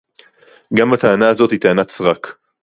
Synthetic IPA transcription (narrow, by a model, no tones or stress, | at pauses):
ɡamat̪aanazo̞t̪hit̪aːnat͡sʁak